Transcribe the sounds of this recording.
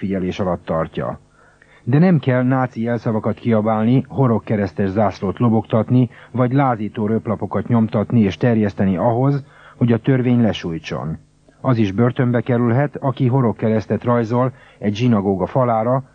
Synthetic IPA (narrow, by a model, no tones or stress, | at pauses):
fiɟɛleːʃɒlɒt̪ːɒrcɒ̰ | d̪ɛnɛmkɛlnaːt̪siɛlsɒvɒkɒt̪kiɒbaːlniɦo̞ɾo̞kːɛɾɛst̪ɛʒzaːsloːt̪lo̞bo̞kt̪ɒt̪nivɒɟlaːziːt̪oːɾøplɒpo̞kɒt̪ɲo̞mt̪ɒt̪nieːʃt̪ɛrjɛst̪ɛniɒɦo̞z | ho̞ɟɒt̪ø̞rveːɲlɛʃuːjt͡ʃo̰n | ɒziʒbø̞rt̪ø̞mbɛkɛɾylɦɛt̪ɒkiɦo̞ɾo̞kːɛɾɛst̪ɛt̪rɒjzo̞l | ɛɟʒinɒɡoːɡɒfɒlaːɾɒ